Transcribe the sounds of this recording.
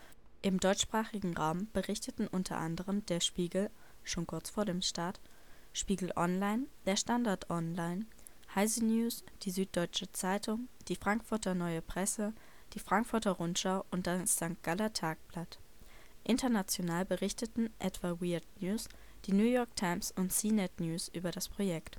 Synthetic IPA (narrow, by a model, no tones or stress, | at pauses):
ʔɪmdɔʏt͡ʃʃpʁ̥aːχɪɡŋ̩ʁaʊmb̥əʁɪçtətn̩ʔʊntʰɐ̰ʔa̰ndəʁəmdeːɐʃpiːɡl̩ʃoːnkʰʊɐt͡sfoːɐɾeːmʃtaɐtʃpiːɡl̩ʔɔ̰nlaɪnd̥eːɐʃtandaɐtʔɔnlaɪn | haɪzinjuːsd̥iːzyːt̚d̥ɔʏt͡ʃət͡saɪtʰʊŋd̥iːfʁ̥aŋkfʊɐtɐnɔʏəpʁ̥ɛsə | d̥iːfʁ̥aŋkfʊɐtɐʁʊntʃaʊʔʊnt̚d̥asz̥aŋk̚ɡ̥alɐtʰaːk̚plat | ʔɪntɐnat͡sjonaːlbəʁɪçtətn̩ʔɛtv̥awiːɐdnjuːs | d̥iːnjuːjɔɐk̚tʰaɪmsʊntsiːnɛtnjuːsʔyːbɐɾaspʁ̥ojɛkt